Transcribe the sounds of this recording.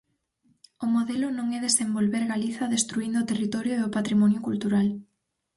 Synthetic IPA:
ʊmoðɛlʊnõŋɛðesembolβeɾɣaliθɐðest̪ɾuind̪ʊot̪erit̪ɔɾjoeðopat̪ɾimɔnjʊkult̪uɾal

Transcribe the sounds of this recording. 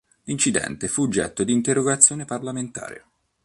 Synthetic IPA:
lint͡ʃid̪ɛ̰nt̪efuːd͡ʒːɛ̰t̪ːod̪iːnt̪eɾoɡat̪sːjoːneparlament̪a̰ːɾḛ

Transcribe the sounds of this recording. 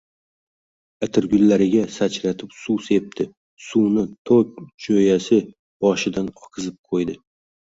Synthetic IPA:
at̪ʰɪɾɡʲʊlːaɾɪɡʲasat͡ʃɾat̪ʰɪpsuse̞p̚t̪ʰɪ | sunɪt̪ʰok̚ʲd͡ʒojasɪ | b̥ɒʃɪd̪anɒqʰɨzɪp̚qʰojd̪ɪ

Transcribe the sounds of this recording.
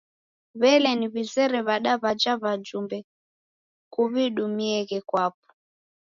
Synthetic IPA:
βɛlɛniβizɛɾɛβaɗaβad͡ʒaβad͡ʒumbɛ | kuβiɗumiɛɣɛkwap̚ɔ̥

